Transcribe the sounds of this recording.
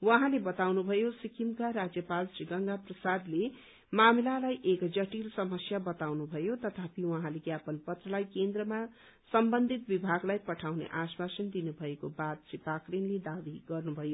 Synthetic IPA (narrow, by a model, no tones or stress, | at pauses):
wʌɦãlebʌt̪awnubʱʌjosikʰimkaɾad͡zjʌpalsriɡʌŋɡaprʌsad̪le | mamilalajʔekd͡zʌʈilsʌmʌsjabʌt̪awnubʱʌjot̪ʌt̪ʰapiwʌ̃ɦãleɡjapʌnpʌt̪rʌlajkend̪rʌma | sʌmbʌnd̪ʱit̪̚bibʱaɡlajpʌʈʰawnḛʔasmasʌnd̪inubʱʌekobat̪̚sipakrinled̪abiɡʌrnubʱʌjo